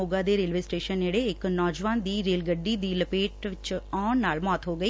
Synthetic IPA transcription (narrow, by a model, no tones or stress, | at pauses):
oːɡãːd̪eːɾeːlʋeːsʈeːʃəneːɽeːɪknɔːd͡ʒʋaːnd̪iːɾeːlɡəɖːiːd̪iːləpeːʈʋɪt͡ʃɔːɳnaːlmɔːt̪ɦoːɡəiː